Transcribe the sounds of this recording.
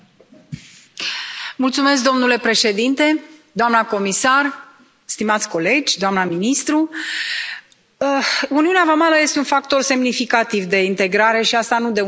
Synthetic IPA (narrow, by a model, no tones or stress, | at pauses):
mult̪sume̞s̬k̚d̪o̞mnule̞pɾe̞ʃe̞d̪int̪e̞d̪oamnəko̞misar | st̪imat̪sʲko̞le̞d͡ʒʲd̪oamnəminist̪ɾu | uniuneavamaləje̞st̪eunfak̚t̪o̞rse̞mnifikat̪ivd̪e̞int̪e̞ɡɾaɾe̞ʃiast̪anud̪e